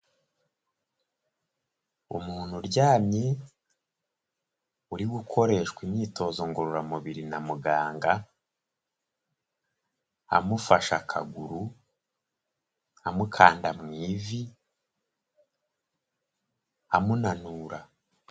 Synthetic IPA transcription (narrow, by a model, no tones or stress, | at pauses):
ṵmuːn̥huɾɟaːmɲe | uɾiɡukʰo̞ɾe̞ʃkwimɲiːto̞ːzoŋɡoɾuɾamuβiɾinamuɡaːŋɡa | a̰mufaʃa̰kʰa̰ɡuɾu | amukʰaːndamŋiːvi | amunanuːɾa